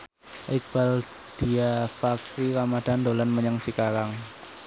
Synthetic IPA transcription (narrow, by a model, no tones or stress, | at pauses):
ʔik̚b̥al | d̥iafaksiɾamad̥andolanməɲəŋsikaɾaŋ